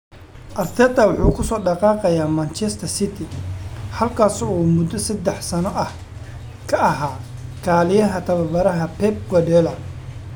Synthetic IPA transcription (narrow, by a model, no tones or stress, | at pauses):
ʔɐrt̪ʰɛːd̪ɐwɑħuːkʰʊsɔːɖɑqɑːqɐjaːmɐnt͡ʃɛst̪ʰɐrsɪt̪ʰɪhɐlkʰaːsɔːmʊd̪ɔsɐd̪ɛħsɐnɔʔɐh | kʰɐʔɐɦaːkʰaːlɪjɐɦɐt̪ʰɐβɐbɐɾɐɦɐpʰɛb̚ɡɔdɛlɐ